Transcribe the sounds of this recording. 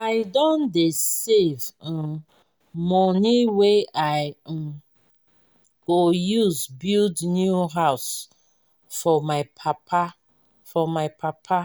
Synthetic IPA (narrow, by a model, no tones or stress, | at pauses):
aɪdɔ̃ndeseṽ | mɔniweaɪ̃ | ɡojuzbildnjuɦaʊs | fɔmaɪpʰapʰa | fɔmaɪpʰapʰa